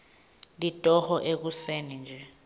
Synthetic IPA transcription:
litʼɔhɔʔek̬usenind͡ʒʱɛ

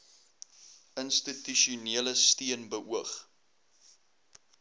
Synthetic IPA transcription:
ənstityʃuniələstiənbəʔuəχ

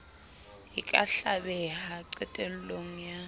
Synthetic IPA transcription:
jikʼaɬaɓɛhaǀɛtʼeniloŋ̩ja

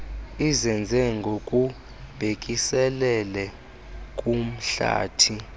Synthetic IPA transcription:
izɛnd͡zʱɛŋɡʱokʼu | b̥ʱekʼisɛlɛlɛ | kʼum̩ɬa̰ːtʰi

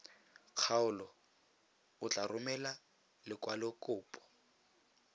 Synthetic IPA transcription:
q͡χʰaʊlɔ | ʊt͡ɬʼarʊmɛla | lɪkwalɪkʼʊːpʼɔ̥

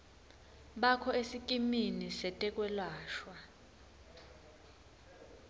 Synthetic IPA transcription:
ɓakʰɔesikʼiminisɛtʼɛkʼwɛlwaːʃwa

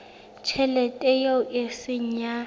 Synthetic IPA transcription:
t͡ʃʰɛlɛtʼɛjoʔɪsɪɲ̩ɲa

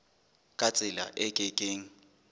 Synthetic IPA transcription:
kʼat͡sʼɪla̰ʔɛkʼɪkʼeːŋ̩

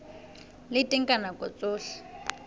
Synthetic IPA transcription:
lɪtʼɛŋkʼanakʼɔt͡sʼoːɬḁ

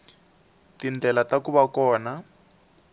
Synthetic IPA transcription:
tind͡ɮɛlatakuβakɔːna

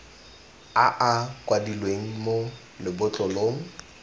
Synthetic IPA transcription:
aʔakʼwadilweŋ̩mo | lɪbʊt͡ɬʼʊloːŋ̩

